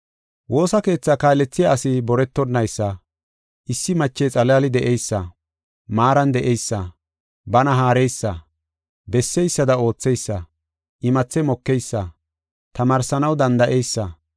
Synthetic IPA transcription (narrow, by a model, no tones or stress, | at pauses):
wʔo̞ːsɐke̞ːt͡sːakaːlːɛt͡sːɪjaːsɪbɔɾɛt̪ːɔnːɐjsːɐ | ʔɪsːɪmɐt͡ʃːɛt͡sʼɐlaːlɪd̪ɛʔɛjsːɐ | maːɾɐnd̪ɛʔɛjsːɐ | bɐnɐɦaːɾɛjsːɐ | bɛsːɛjsːɐd̪ɐo̞ːt͡sːɛjsːɐ | ʔɪmɐt͡sːɛmɔkːɛjsːɐ | t̪ɐmaːɾsɐnɐwd̪ɐnd̪ɐʔɛjsːɐ